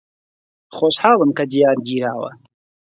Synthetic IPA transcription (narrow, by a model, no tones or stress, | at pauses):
χoːʃħɑːlˠɨmkɐd̪ijaːɾɡiːɾaːwɐ̰